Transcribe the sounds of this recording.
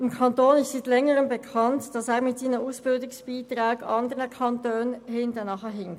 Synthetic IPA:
ɪmkʰɑntoːnɪstsiːtlɛŋəʁəmbɛkʰɑntd̥ɑsɛːʁmɪtsiːnəmuːsb̥ɪldʊŋsb̥iːtʁaːɡɑndəɾəkʰɑntøːnhɪntənɑχəɦɪŋ

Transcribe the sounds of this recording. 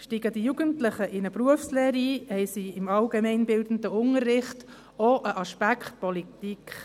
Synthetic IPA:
ʃtiːɡ̥əd̥ijuɡ̥əntlɪχəʔɪnəbɾuəfslɛːɾiːhɛɪsiɪmɑlɡemɛɪnbɪldən̩dəʊnəɾːɪχt | oʔəʔɑʃpækχt̚pɔlitikχ

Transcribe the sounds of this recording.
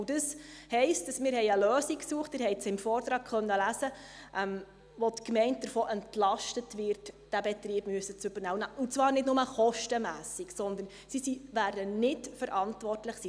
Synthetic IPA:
d̥əshɛɪstɑsmɪːɾhɛɪəløːsiksuəχtmɪɾhɛɪt͡sɪmfɔːrt̪ɾɑːɡ̥χœnːəlæzəʔɛm | ʋɔtkmɛɪnt̚d̥əɾfɔːʔɛntlɑʃtətʋɪrtd̥æbɛtɾiːb̥myəsət͡søb̥əɾnæwənʊt͡sʋɑːrnɪdnʊməχɔʃtəmæːsiksɔnd̪ən | sisiʋæːrdənɪtfəɾʔɑntʋɔrtləχsiː

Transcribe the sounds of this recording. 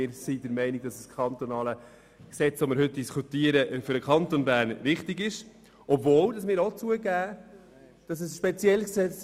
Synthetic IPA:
ɪːɾsidəɾmɛɪniɡ̚dɑsəskʰχɑnt̪onɑːlə | ksɛt͡sʋomɪɾhɵt̚d̥iskʰut̪iəɾəʔfʏɾdəkʰɑntonbæːɾnvɪχtɪɡɪʃ | ɔbvoːld̥ɑsmɪːɾot͡suəɡæː | d̥ɑs̬ɛsʃpɛt͡sjɛlsksɛt͡s

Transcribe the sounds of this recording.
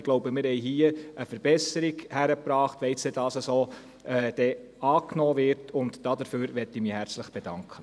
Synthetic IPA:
ɡ̥loʊbəmɪɾhɛɪɦiːəʔəfəɾb̥ɛsəɾiɡhæɾəpɾɑːχtʋɛɪsed̥ɑːsəsoː | ɛːd̥ɛ | ɑːknɔːʋɪɾtʰʊntd̥ɑdəføːɾʋɛtːɪmihæɾt͡sləχb̥ed̥ɑŋkʰχə

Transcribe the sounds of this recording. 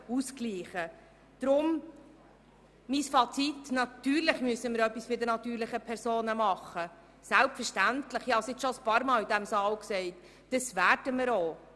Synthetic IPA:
uskliːχə | d̪̥ɾʊm | misfɑt͡sitnɑt̪yːɾlɪχmyəsəməɾœpːisfɪd̪ənɑt̪yːɾlɪχəpʰɛɾsoːnəmɑχə | sælpfəɾʃtæntlɪχjɑsɪt͡sʃɔəspɑːɾmɑːlidæmsɑːlksɛɪt | d̥əsvæːɾd̥əməɾoː

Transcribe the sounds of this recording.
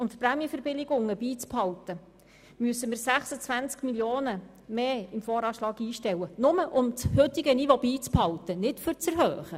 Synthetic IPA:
ʊmt̪præːmjəfɛɾbɪlɪɡʊŋːəbiːt͡sphɑwtə | myəsːəmɪɾsæχsət͡sʋænt͡skmiljoːnə | meːɪmfoːɾɑːʃlɑːɡiːʃtɛwənʊməʔʊmt͡shʏt̪ɪɡənivobiːt͡sphɑwt̪ənɪtfʏɾt͡sɛɾɦœːχə

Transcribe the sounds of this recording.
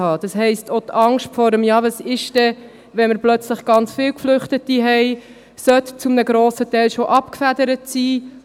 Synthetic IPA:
ɑːd̥ɑshɛɪstot̪ɑŋʃtfɔɾəmjɑːvɑsɪʃdɛ | ʋɛnməɾplœt͡sləχɡ̥ɑnt͡sfɪːwkflʏχtətiɦɛɪ | sœt̪t͡sumnəɡɾoːsətɛɪlʃoʔɑpkfæd̪əɾətsiː

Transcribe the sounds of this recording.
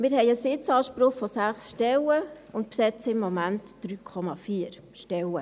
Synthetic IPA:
mɪːɾɦɛɪəsɪt͡sɑːʃpɾʊχfɔsæχsʃtɛlə | ʊntpsɛt͡səɪmːɔmæntd̥ɾyːkʰɔmɑfiːəɾ | ʃtɛlə

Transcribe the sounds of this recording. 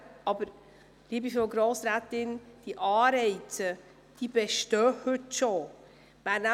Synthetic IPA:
ɑbəɾ | liːbifoɡɾoːsɾæːt̪ɪnd̥iʔɑːɾɛɪtə | d̥ib̥ɛʃtœːhɵtʃo | mæːɾnæ

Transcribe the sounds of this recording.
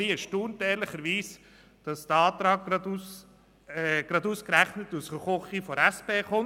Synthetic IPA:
iəʃtuːnteːɾlɪχəɾʋiːs | d̥ɑsd̥əɑːt̪ɾɑːɡ | ɡ̥ɾɑduːskɾæχnətusʁəχɔχifɔɾæspeːχʊn

